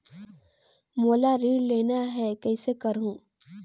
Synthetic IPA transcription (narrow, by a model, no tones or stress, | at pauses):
moːlaɾiːɽleːnaɦɛkɛːsekɐɾɦũː